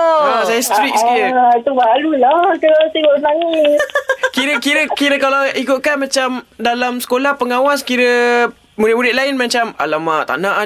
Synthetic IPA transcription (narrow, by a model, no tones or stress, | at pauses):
asajast̪ɾik̚skiɾət̪ubaɾulahk̪əsibonaŋɪt̚kiɾəkiɾəkiɾəkalaikʊt̪̚kanmãt͡ʃamdalamsə̥kolahpəŋawaskiɾə | muɾɪtmuɾɪʔ̪̚laɪnmãt͡ʃama̰lamaʔt̪a̰nãʔa